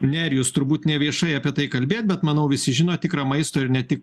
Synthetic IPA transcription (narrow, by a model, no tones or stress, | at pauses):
nʲɛɾʲjuːst̪ʊɾbuːt̪nʲɛʋʲiɛʃɐɪɐpʲiɛt̪ɐɪkɐlʲbʲeːt̪̚ʲbʲɛt̪mɐnɐʊʋʲɪsʲɪʒʲɪnoːt̪ʲɪkɾɐːmɐɪst̪oːɪɾnʲɛt̪ʲɪk